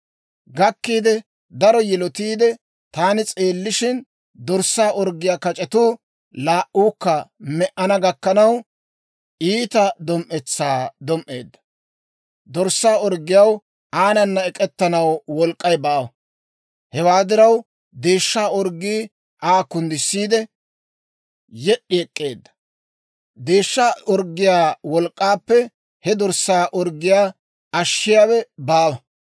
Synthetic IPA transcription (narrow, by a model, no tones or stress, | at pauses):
ɡɐkːiːd̪ɛ | d̪ɐɾɔjɛlɔt̪iːd̪ɛ | t̪aːnɪt͡sʼe̞ːlːɪʃɪn | d̪ɔɾsːaːʔɔɾɡːɪjaːkɐt͡ʃʼɛt̪uː | laːʔuːkːɐmɛʔɐnɐɡɐkːɐnɐw | ʔiːt̪ɐd̪ɔmʔɛt͡sːaːd̪ɔmʔe̞̰ːd̪ːɐ̥ | d̪ɔɾsːaːɔɾɡɪjɐw | ʔaːnɐnːɐɛkʼɛt̪ːɐnɐwwɔlkʼːɐjbaːwɐ | hɛwaːd̪ɪɾɐw | d̪e̞ːʃːaːɔɾɡːiː | ʔaːkːʊnd̪ɪsːiːd̪ɛ | jɛɗːɪɛkʼːe̞ːd̪ːɐ̥ | d̪e̞ːʃːaɔɾɡːɪjaːwɔlkʼːaːpːɛ | hɛd̪ɔɾsːaːʔɔɾɡɪjaː | ɐʃːɪjaːwɛbaːwɐ